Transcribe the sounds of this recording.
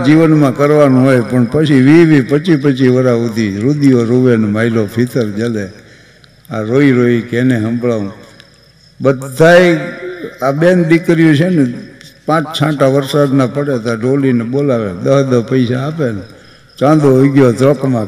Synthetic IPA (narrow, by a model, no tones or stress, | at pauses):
d͡ʒiʋənmãkəɾʋanũɦojpəɳpət͡ʃʰiʋiʋipət͡ʃipət͡ʃʰiʋəɾaut̪iɾud̪ijoɾuʋenmailopʰit̪əɾd͡ʒale | aɾoiɾoikeneɦəmbɭaũ | bəd̪ʱːaj | aɓenɖikɾijũt͡ʃʰenepãt͡ʃt͡ʃʰãʈaʋəɾsad̪napəɽet̪aɖolineɓolaʋḛd̪əɦəd̪əpəisaːpene | t͡ʃãd̪oojɡjot̪ɾɔkmã